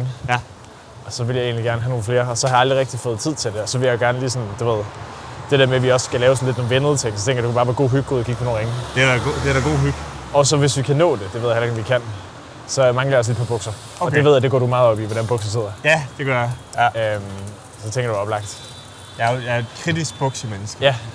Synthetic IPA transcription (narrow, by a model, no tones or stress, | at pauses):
ŋ | ɒ̽sɒ̽ʋe̝ljɑ̈e̝̰ːn̩liɡ̥æɐnəɦæno̝ːn̩fle̝ːɐɒ̽sɒhɑ̈jɑld̥ʁiʁɛɡ̥d̥ifɔ̽ːð̩ˠt͡sʰið̞̰ˠt͡sʰe̝ld̥e̝ɒ̽sɒ̽ʋe̝ljɑ̈joɡ̥æɐnəliːsɒ̽nd̥uʋe̝ð̞̰ˠd̥e̝ɾ̥e̝ɐmeʋiɒ̽sɡ̥ælɛːʊs̬n̩led̥noːn̩ʋenð̞̩ˠt͡sʰe̝ŋ̰sɒt͡sʰeŋɡɐjd̥ekub̥ɑ̈ːʋæːɐɡ̥o̝̰ːɦyɡ̥̚o̰ːðˠɐkʰiɡ̥̚pʰno̝ːnʁeŋəd̥eɡo̰d̥eɾæɡ̥o̝̰ːɦyɡ̥ | ɒ̽sɒ̽ʋe̝sʋikʰænɔ̰̽ːd̥e̝d̥e̝ʋe̝ð̰ˠjheleɡʋikʰæn̰ | sɒ̽mɑŋlɐjɑɒsled̥̚pʰɒbɔ̽ɡ̥sɐ | ɒd̥eʋeð̰ˠæd̥eɡɒ̰ːɾ̥umɑ̈ːð̩ˠɒ̽b̥iʋɒɾænb̥ɔ̽ɡ̥sɐse̝ð̰ˠɐjæd̥eɡ̥ɶɐjɑ | øm | sɒ̽t͡sʰeŋɡɐd̥u̥ɒ̽b̥lɑ̈ɡ̥̚d̥ | jɑjɑ̥kʰʁid̥isɡ̥̚b̥ɔɡ̥səmenəsɡ̥əjæ